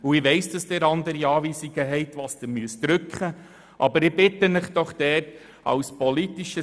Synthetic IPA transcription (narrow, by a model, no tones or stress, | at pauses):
uɪʋɛɪsd̥ɑsd̥̪ɛɾɑnd̪əɾiɑːʋiːsiɡəɦɛɪtʋɑːsd̥̪əmyəsd̥ɾʏkχə | ʔɑ̰bəɾɪbɪtːənɪχd̥ɔχd̥ɛːt | ɑ̰wspɔlitiʃə